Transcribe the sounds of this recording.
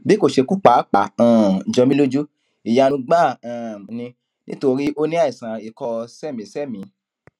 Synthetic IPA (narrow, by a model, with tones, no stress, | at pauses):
bi˦ko˦˨ʃe˧ku˦k͡pa˨˦k͡pa˨ã˨d͡ʒɔ̃˧mĩ˦lo˦d͡ʒu˦ | i˨ja˧nũ˧ɡ͡bã˦˨nĩ˧ | nḭ̃˦to˧ɾi˦ʔo˦nĩ˦a˦i˨sã˨i˨kɔ˧sɛ˦˨mĩ˨sɛ˦˨mĩ˨˧˦